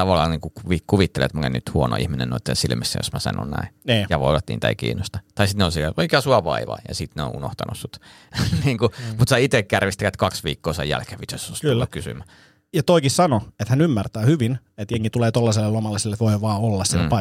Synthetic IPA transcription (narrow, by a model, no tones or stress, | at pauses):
t̪ɑʋɑlːɑːniːŋkukuʋikuʋit̪ːelḛet̪mukḛny̰t̪huono̰ihminḛnoˑit̪ːḛnsilmisːæ̰jo̰smæsɑ̰no̰nnæ̰iniːjɑʋo̰ˑiʋɑt̪nḭːnt̪æikḭːnːost̪ɑt̪ɑisit̪neolsieʔoikɑsuɑʋɑ̰iʋɑ̰ijɑ̰sit̪neo̰ʔṵno̰ht̪ɑnussut̪ | niːŋkumut̪sæit̪ekjærʋist̪ækæt̪kɑksʋḭːkːoːsḛjæ̰lkeʋit̪osost̪lːukkysy̰mæ | jɑt̪oikissɑnoet̪hænymːært̪æːhyʋin | et̪jeŋkit̪uleːt̪olːɑselːelomɑlːɑsilːet̪ʋoiʋɑːolːɑssielpɑ